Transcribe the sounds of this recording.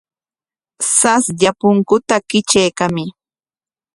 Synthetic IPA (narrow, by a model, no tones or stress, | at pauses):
sasʎapʊŋkʊt̪akɪt͡ʃajkamɪ